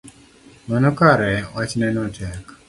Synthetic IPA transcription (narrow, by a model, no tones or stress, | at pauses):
mənɔkaɾɛwat͡ʃnɛnɔtɛk